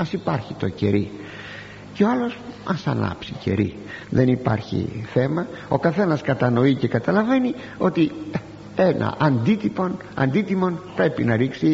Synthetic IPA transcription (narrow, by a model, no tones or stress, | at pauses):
ɐsipɐɾçit̪o̞ce̞̰ɾi | ceoɐlo̞sɐsɐ̰lɐ̰psice̞̰ɾḭ | ðenipɐ̰ɾçḭθe̞mɐo̞kɐθe̞nɐskɐt̪ɐno̞ice̞kɐt̪ɐlɐve̞ni | o̞t̪i | e̞nʔɐ̰ʔɐnd̪it̪ipo̞n | ɐ̰nd̪it̪imo̞npɾe̞pinɐɾiksi